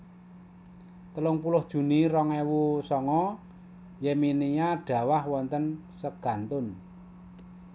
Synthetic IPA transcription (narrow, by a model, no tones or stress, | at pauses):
t̪əlʊŋpulʊhd̥ʒ̥ṳniɾɔŋewusɔŋɔ | jɛminijaɖ̥ä̤wahwɔnt̪ənsəɡ̥ä̤nt̪ʊn